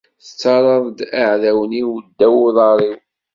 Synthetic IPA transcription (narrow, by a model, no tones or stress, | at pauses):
θət͡sːɑɾˤɑðˤd̪aʕðæwəniwd̪ːæwʊðˤɑɾˤiw